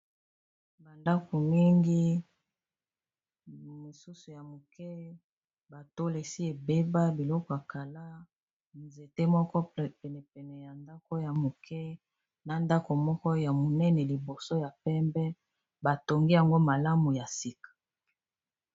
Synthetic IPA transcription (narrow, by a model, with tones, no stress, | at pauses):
ba˨nda˦ko˨mi˦ŋɡi˦ | mo˨su˦su˨ja˨mo˨kɛ˦ | ba˨to˦le˨si˦e˨be˦ba˦bi˨lɔ˦kɔ˨a˨ka˨la˦ | nze˨te˦mɔ˦kɔ˦pɛ˨nɛ˨pɛ˨nɛ˨ja˨nda˦ko˦ja˨mo˨kʰɛ˦ | na˨nda˦ko˨mɔ˦kɔ˦ja˨mo˨nɛ˦nɛ˨li˨bo˨so˦ja˨pɛ˦mbɛ˦ | ba˨to˨ŋɡi˦ja˨ŋɡo˦ma˨la˦mu˨ja˨si˨kḁ˨